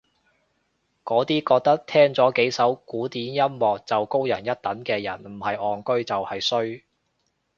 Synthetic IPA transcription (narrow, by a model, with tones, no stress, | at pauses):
kɔː˨˥t̪iː˥kɔː˧k̚t̪ɐ˥k̚t̪ʰɛː˥ŋt͡sɔː˨˥ke˨˥jsɐ˨˥wkuː˨˥t̪iː˨˥njɐ˥mmɔː˨k̚t͡sɐ˨wko˥wjɐ˨˩njɐ˥t̚t̪ɐ˨˥nkɛː˧jɐ̰˨˩nm̩˨˩hɐ˨jɔː˨nkɵ˥ɥt͡sɐ˨whɐ˨jsɵ˥ɥ